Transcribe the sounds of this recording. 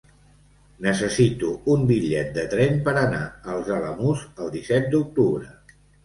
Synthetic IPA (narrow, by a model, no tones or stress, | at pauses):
nəsəsit̪uumbiʎɛt̪̚d̪ət̪ɾɛmpəɾənaəlˠzələmuzəlˠd̪isɛt̪̚d̪uk̚t̪uβɾə